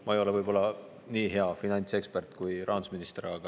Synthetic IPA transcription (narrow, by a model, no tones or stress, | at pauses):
mɑejo̞le̞vɤjb̥o̞lːɑ | niːɦe̞ɑfinɑnʲt̪se̞kspert̪ˑkujɾʔɑːnu̥sminist̪eɾɑɡ̥ɑ